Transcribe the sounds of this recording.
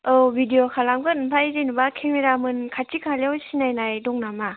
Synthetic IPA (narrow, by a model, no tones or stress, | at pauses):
ɯwbidiɔkʰalamɡɯtnpʰaiɾinɯbakʰeŋmiɾamɯnkʰatikʰaljɔwsinajnajdɔŋnama